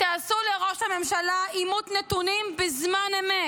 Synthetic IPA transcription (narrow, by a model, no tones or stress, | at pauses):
t̪aːsuleʁo̞ʃhame̞mʃalaimut̪net̪unimbezmaneme